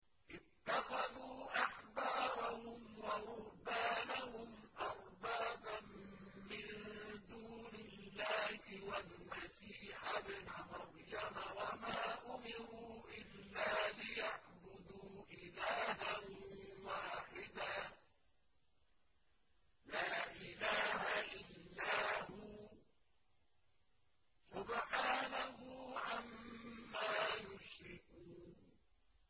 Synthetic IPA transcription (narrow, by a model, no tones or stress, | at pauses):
ʔɪt̪ːaxaðuːʔaħbɑːɾˤahʊmwaɾʊɾbaːnahʊmʔɑɾˤbaːban | mɪnd̪uːnɪlːaːhɪwalmasiːħabnamɑɾˤjamawamaːʔʊmɪɾuːʔɪlːaːlɪjaʕbʊd̪uːʔɪlaːɦanwaːħɪd̪a | laːʔɪlaːɦaʔɪlːaːhʊ | sʊbħaːnahuːʕamːaːjʊʃɾɪkuːn